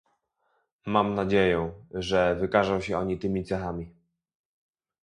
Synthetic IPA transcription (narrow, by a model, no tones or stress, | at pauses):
mamnad͡ʑejɛʐɛvɘkaʐɔ̃w̃ɕɛɔɲit̪ɘmʲit̪sɛxamʲi